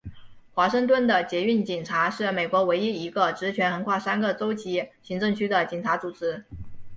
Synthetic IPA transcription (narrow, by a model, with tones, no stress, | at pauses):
xwa˧˥ʂɤ˥˧ŋt̪wə˥˩nd̪ə˨t͡ɕjɛ˧˥y˥˩nt͡ɕi˨˩ŋʈ͡ʂʰa˧˥ʂɻ̩˥˩me˨˩ɪkwɔ˧˥we˧˥ɪi˥˩i˧˥ɡə˧ʈ͡ʂɻ̩˧˥t͡ɕʰɥɛ˧˥nxə˧˥nkʰwa˥˩sa˥nɡə˨t͡so˥ʊt͡ɕi˧˥ɕi˧˥ŋʈ͡ʂɤ˥˧ŋt͡ɕʰy˥d̪ə˨t͡ɕi˨˩ŋʈ͡ʂʰa˧˥t͡su˨˩ʈ͡ʂɻ̩˧˥